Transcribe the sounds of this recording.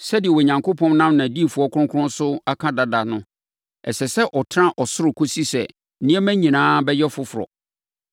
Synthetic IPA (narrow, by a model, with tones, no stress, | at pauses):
sɛ˦dɪ˨ɛ˨wɔ˨ɲã˨ŋkʰo˦pʰɔ̃˦nnã˦mnã˨di˦˨fu˨ɔ˦kʰʊ˦ʊ̃˦kʰʊ˦ʊ̃˦nsʊ˦a˦kʰã˦da˦da˨nʊ̃˦ | ɛ̰˨sɛ˨sɛ˦ʔɔ˨tʰɾã˦ʔɔ˨sʊ˦ɾʊ˨kʰo˦si˦sɛ̰˨ | nĩ˦ɛ˦mæ̃˦ɲĩ˨nãː˦bɛ˦jɛ˦fʊ˦fʊ˨ɾɔ̰˨